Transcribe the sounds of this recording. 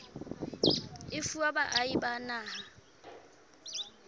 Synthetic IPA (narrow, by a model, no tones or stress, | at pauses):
ɪfuabaʔaibanaːha